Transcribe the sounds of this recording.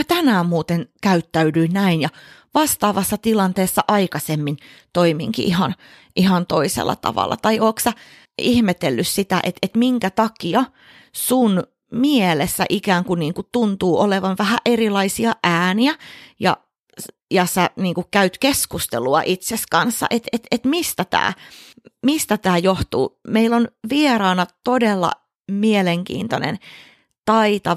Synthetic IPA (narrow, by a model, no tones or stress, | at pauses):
æt̪ænæːmmuːt̪enkæyt̪ːæydyinnæinjɑʋɑst̪ɑːʋɑsːɑt̪ilɑnt̪eːsːɑʔɑikɑsemːint̪oimḭŋkḭʔihɑn | ʔihɑnt̪oisḛlːʔɑ̰t̪ɑ̰ʋɑ̰lːɑ̰t̪ɑioːksæ | ihmet̪elːyssit̪æ̰ʔḛt̪et̪miŋkæt̪ɑkiɑ | sun | mielesːæ̰ʔikæːŋkuniːŋkut̪unt̪uːʔoleʋɑnʋæhæʔerilɑisiɑʔæːniæjɑ̰ | jɑsæniːŋkukkæyt̪keskust̪ḛluɑ̰ʔit̪seskɑnsːɑ̰ʔet̪et̪et̪mist̪æt̪æ̰ː | mist̪æt̪æːjoht̪ṵːmeilːonʋierɑːnɑt̪odelːɑ̰ | mieleŋkḭːnt̪onḛn | t̪ɑit̪ɑ